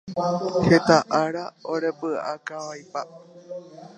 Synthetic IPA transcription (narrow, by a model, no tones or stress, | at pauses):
het̪aʔaɾaoɾepɨa̰kaʋajpa